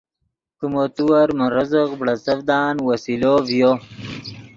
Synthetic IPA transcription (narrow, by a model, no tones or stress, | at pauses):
kumot̪uwɐɾməɾɐzəqbɽɐsɐvd̪ɑːnwɐsilovjo